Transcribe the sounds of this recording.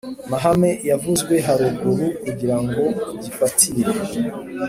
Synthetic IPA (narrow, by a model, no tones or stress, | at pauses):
maɦame̞javuzɡwe̞ɦaɾuɡuɾukuɟiɾaŋɡo̞ɟifatʰiɾe